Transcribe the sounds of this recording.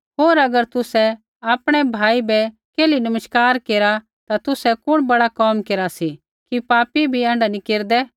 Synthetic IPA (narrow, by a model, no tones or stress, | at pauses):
ɦoːɾɐɡəɾt̪ʊsɛ | aːpɽ̃ɛbʱaːibɛ | keːlinɐməʃkaːɾkeːɾa | t̪at̪ʊsɛkʊɽ̃bɐɽakɔːmkeːɾasi | kipaːpibʱiãːɳɖanikeːɾd̪ɛ